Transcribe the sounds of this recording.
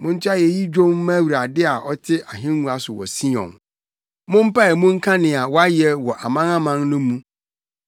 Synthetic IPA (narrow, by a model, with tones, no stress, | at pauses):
mʊ̃˦n̩˦tʰa˦jɛ˨ji˦d͡ʑᶣõ˦mã˦wu˨ɾa˨dɪ˦a˨ʔɔ˦tʰɪ˦ʔa˨ɦɪ̃˦nː˦ũ˦a˨sʊ˨wɔ̰˨si˦ɔ̰̃˨n | mʊ̃˦m̩˦pa˦ɛ˨mʊ̃˦ŋ̩˦kʰã˦nɪ̃˨a˨wɔ˦a˦jɛ˦wɔ˨ʔa˨mã˦ŋã˦mã˦ŋnʊ̃˦mũ˦